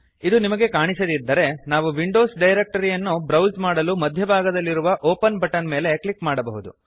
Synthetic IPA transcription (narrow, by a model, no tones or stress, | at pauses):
id̪unimɐɡe̞kaːɳisɐd̪id̪ːɐɾe̞naːʋuʋiɳɖo̞ːsɖɐjɾek̚ʈɐɾijɐnːubɾɐwzmaːɽɐlumɐd̪ʱjɐbʱaːɡɐd̪ɐlːiɾuʋɐʔoːpɐnbʱɐʈɐnme̞ːle̞klikmaːɽɐbɐɦud̪ṵ